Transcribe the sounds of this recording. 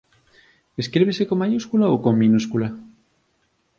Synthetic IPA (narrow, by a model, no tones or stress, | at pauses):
eskɾeβesekomːajuskulaokomːĩnuskula